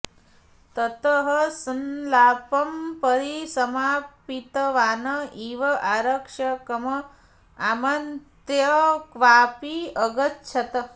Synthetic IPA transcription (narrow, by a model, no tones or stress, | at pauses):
t̪ɐt̪ɐɦɐsɐnlaːpɐmpɐɾisɐmaːpit̪ɐʋaːnɐiːʋɐʔaːɾɐkʂɐkɐmɐ | aːmɐnt̪jɐkʋaːpiɐɡɐtt͡ʃʰɐt̪ɐ